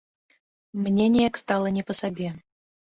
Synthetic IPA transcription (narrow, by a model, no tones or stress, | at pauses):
mnʲenʲejɛkst̪ɑlˠənʲɛpəsabʲe